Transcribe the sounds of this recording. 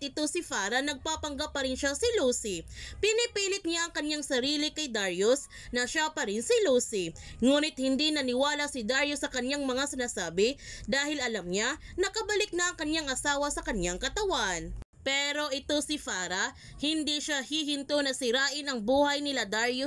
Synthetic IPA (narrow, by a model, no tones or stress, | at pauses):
ʔɪt̪osɪfaːɾɐnɐɡ̚papɐŋɡapːɐɾɪnʃasɪluːsipɪnɪpiːlɪk̪̚ɲaʔɐŋkɐɲaŋsɐɾiːlɪkɐjd̪aɹjos | nɐʃapɐɾɪnsɪluːsi | ŋuːnɪt̪̚hɪnd̪inɐnɪwaːlɐsɪd̪aɹjosːɐkɐɲaŋmɐŋasɪnasaːbɪd̪aːhɪlʔɐlɐmɲanɐkɐbɐlɪk̚nɐʔɐŋkɐɲaŋʔɐsaːwɐsɐkɐɲaŋkɐt̪ɐwanpɛːɾo̞ʔɪt̪osɪfaːɾɐ | hɪnd̪iʃahiɦɪnt̪onɐsɪɾaːʔɪnʔɐŋbuːhɐjnɪlad̪aɹjo